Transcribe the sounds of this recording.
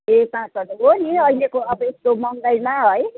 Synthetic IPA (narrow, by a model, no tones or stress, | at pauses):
ɦekãːsʌnuɦoniʌjlekoʌbʌeskomʌnd̪ʌjmaɦoj